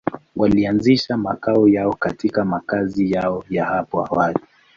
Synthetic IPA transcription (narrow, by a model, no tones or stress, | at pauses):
walianziʃamakaɔjaɔkatikamakazijaɔjahapɔa̰wali